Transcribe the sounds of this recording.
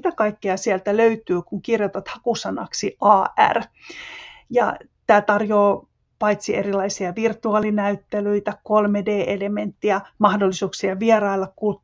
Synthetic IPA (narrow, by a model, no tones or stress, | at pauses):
it̪ækɑikːeɑsiælt̪æløyt̪yːkuŋkirjot̪ɑt̪hɑkusɑnɑ̰ksiʔɑːæ̰r | jɑ̰t̪æːt̪ɑrjoː | pɑit̪sierilɑisiɑʋirt̪uɑːlinæyt̪ːelyit̪ækolmedeːʔelement̪ːiæmɑhdolːisuːksiɑʋierɑilːɑkku